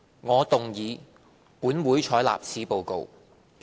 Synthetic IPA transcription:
ŋɔː˨˧t̪ʊ˨ŋjiː˨˧ | puː˨˥nwuː˨˥jt͡ʃʰɔː˨˥la̰ː˨p̚t͡sʰiː˨˧po˨˧wko̰˨w

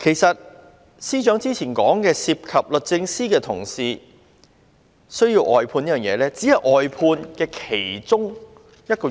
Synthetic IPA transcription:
kʰe˨˩jsɐ˨t̚ | siː˥t͡ʃœː˨˥ŋt͡siː˥t͡sʰiː˨˩nkɔː˨˥ŋkɛː˧siː˧p̚kʰɐ˨p̚lɵ˨˩t̚t͡sɪ˧ŋsiː˥kɛː˧t̪ʰʊ̰˨˩ŋsiː˧ | sɵ˥ɥjiː˧wʔɔː˨jpʰuː˧ni˥jœː˨˩ŋjɛ̰ː˨˧lɛː˥t͡siː˨˥hɐ˨jʔɔː˨jpʰuː˧nkɛː˧kʰe˨˩jt͡sʊ˥ŋ | jɐ˥t̚kɔː˧

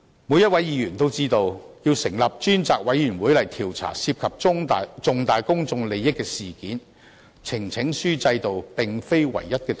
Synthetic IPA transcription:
muː˨˧jɐ˥t̚wɐ˨˥jjiː˨˧jyː˨˩nt̪o˥wt͡siː˥t̪o˧wjiː˧wsɪ˨˩ŋlɐ˨p̚t͡ʃyː˥nt͡saː˨k̚wɐ˨˥jjyː˨˩nwuː˨˥jlɐ˨˩jt̪ʰiː˨˩wt͡sʰa̰ː˨˩si˧p̚kʰɐ˨p̚ʊ˥ŋ˨t͡sʊ˨˧ŋt̪aː˨jkʊ˥ŋt͡sʊ˧ŋle˨˧jːɪ˥kːɛː˧siː˨kiː˨˥n | t͡sʰɪ˨˩ŋt͡sʰɪ˨˥ŋsyː˥t͡sɐ˧jt̪o˨wpɪ˨ŋfe˥jwɐ̰˨˩jjɐ˥t̚kɛː˧

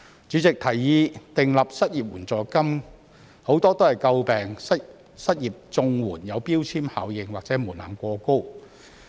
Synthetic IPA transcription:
t͡syː˨˥t͡sɪ˨k̚t̪ʰɐ˨˩jːiː˧t̪ɪ˨ŋlɐ˨p̚sɐ˥t̚jiː˨p̚wuː˨˩nt͡sɔː˨kɐ˥m | ho˨˧˥wt̪ɔː˥t̪o˥hɐ˨jkɐ˧wpɛː˨˩ŋsɐ˥ | sɐ˥t̚jiː˨p̚t͡sʊ˧ŋwuː˨˩njɐ˨˧wpiː˥wt͡sʰiː˥mha̰ː˨˧wjɪ˨˧ŋwaː˨k̚t͡sɛː˨˥muː˨˩nla̰ː˨˩nkʷɔː˧ko˥w

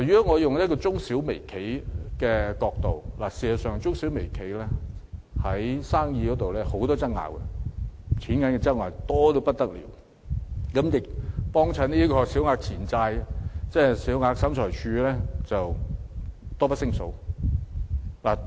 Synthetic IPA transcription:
a˨˩ɥyː˨˥ɔ˥ŋɔː˨˧jʊ˨ŋjɐ˥kɔ˧t͡sʊ˥ŋsi˨˥wme˨˩jkʰe˨˥jkɛː˧kɔː˧k̚t̪o˨wlaː˨˩siː˨˩sɐ˨˩sœː˨ŋt͡sʊ˥ŋsi˨˥wme˨˩jkʰe˨˥jlɛː˥hɐ˨˥jsaː˥ŋjiː˧kɔ˨˧˥t̪o˨wlɛː˥ho˨˥wt̪ɔː˥t͡sɐ˥k̚ŋa̰ː˨˩wkɛ̰˨ | t͡sʰiː˨˥nkɐ˨˥nkɛ˧t͡sɐ˥ŋaː˨˩wt̪ɔː˥t̪o˧wpɐ˥t̚t̪ɐ˥k̚lḭː˨˩w | kɐ˨˥mjɪ˨k̚pɔː˥ŋt͡sʰɐ˨˥nniː˥kɔː˧si˨˥wŋaː˧k̚t͡sʰiː˨˩nt͡saː˧jt͡sɛː˥siː˨˥wŋaː˧k̚sɐ˨˥mt͡ʃʰɔː˨˩jt͡ʃʰyː˨˧lɛː˥t͡sɐ˨w | t̪ɔː˥pɐ˥tsɪ˥ŋso˨˥w | laː˨˩

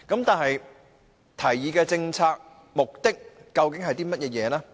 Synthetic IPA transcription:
kɐ˨˥mt̪aː˨nɦɐ˨j | t̪ʰɐ˨˩jjiː˨˧kɛː˧t͡sɪ˧ŋt͡sʰaː˧k̚ | mʊ˨k̚t̪ɪ˥k̚ːɐ˧wkɪ˨˥ŋɦɐ˨jt̪iː˥mɐ˥t̚jɛː˧jɛː˨˧naː˦˥

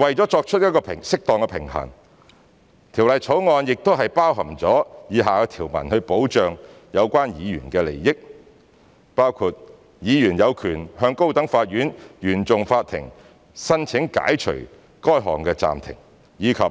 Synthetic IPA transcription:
wɐ˨jt͡sɔː˨˥t͡sɔː˧k̚t͡ʃʰɵ˥t̚jɐ˥t̚kɔː˧pʰɪ˨˩ŋsɪ˥k̚t̪ɔː˨ŋkɛ˧pʰɪ˨˩ŋɦɐ̰˨˩ŋ | t̪ʰiː˨˩wlɐ˨jt͡sʰo˨˥wŋɔː˧njɪ˨k̚t̪o˥wɦɐ˨jpaː˥wɦɐ˨˩mt͡sɔː˨˥jiː˨˧ɦaː˨kɛ˧t̪ʰiː˨˩wmɐ̰˨˩nhɵ˧ɥpo˨˥wt͡ʃœː˨ŋ | jɐ˨˧wkʷwaː˥njiː˨˧ɥyː˨˩nkɛː˧le˨˩jːɪ˥k̚ | paː˥wkʰuː˨˧t̚ | jiː˨˧jyː˨˩njɐ˨˧wkʰyː˨˩nɦœː˧ŋko˥wt̪ɐ˨˥ŋfaː˧t̚jyː˨˥njyː˨˩nt͡sʊ˨ŋfaː˧t̚t̪ʰɪ̰˨˩ŋ | sɐ˥nt͡sʰɪ˨˥ŋka̰ː˨˥jt͡ʃʰɵ̰˨˩ | kɔː˥jɦɔ̰ː˨˩ŋkɛː˧t͡sa̰ː˨mt̪ʰɪ̰˨˩ŋ | jiː˨˧kʰɐ˨p̚

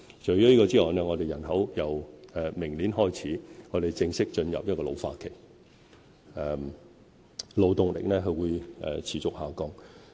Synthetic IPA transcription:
t͡ʃɵ˨˩jɔː˥liː˥kɔː˧t͡siː˥ɔː˨jnɛː˥ŋɔː˨˧t̪e˨jɐ˨˩nɦɐ˨˥wjɐ˨wɛː˨˧mɪ˨˩ŋliː˨˥nɦɔː˥jt͡sʰiː˨˥ŋɔː˨˧ɾe˨jt͡sɪ˧ŋsɪ˥k̚t͡ʃɵ˧njɐ̰˨p̚jɐ˥t̚kɔː˧lo̰˨˧wfaː˧t̚kʰe˨˩j | ɛ˧ | lo˨˧wt̪ʊ˨ŋlɪ̰˨˩k̚nɛː˥ɦɵ˧wuː˨˧jʔɛ̰˨t͡sʰiː˨˩t͡sʊ˨k̚haː˨˩wkɔː˧ŋ

